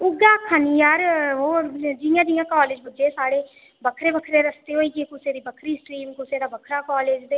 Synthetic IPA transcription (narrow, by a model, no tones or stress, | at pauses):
ʊɡãːkʰaːniːjaːɾɦoːd͡ʒɪjãːd͡ʒɪjãːkɔːleːd͡ʒbəd͡ʒeːsaːɽeː | bəkʰɾeːbəkʰɾeːɾəst̪eːɦoːiːɡekʊseːd̪iːbəkʰɾiːsʈɾiːmkʊseːd̪aːbəkʰɾaːkɔːleːd͡ʒd̪eː